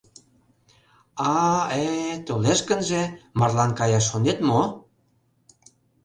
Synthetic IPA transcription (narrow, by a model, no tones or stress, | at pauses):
ɑet̪oleʃkə̆nʒĕmɑrlɑnkɑjɑʃːonet̪mo